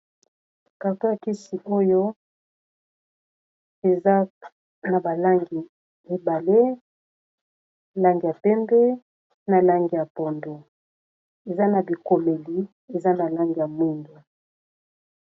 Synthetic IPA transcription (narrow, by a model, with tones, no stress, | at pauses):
ka˨ka˦a˨ki˦si˨ʔo˦jo˦ | e˨za˦ | na˨ba˨la˦ŋɡi˨ | mi˨ba˨le˦˨ | la˦ŋɡi˨ja˨pɛ˦mbɛ˦ | na˨la˦ŋɡi˨ja˨po˨ndo˨ | e˨za˦na˨bi˨ko˨me˨li˨˦ | e˨za˦na˨la˦ŋɡi˨ja˨mwi˦ndu˨